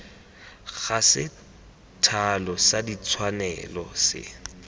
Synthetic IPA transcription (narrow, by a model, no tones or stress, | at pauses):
ɣasɪ | tʰalɔsadit͡sʰwanɛlɔsɪ̰